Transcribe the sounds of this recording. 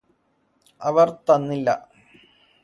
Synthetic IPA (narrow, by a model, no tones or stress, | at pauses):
ɐʋɐrt̪ɐnːilːɐ̰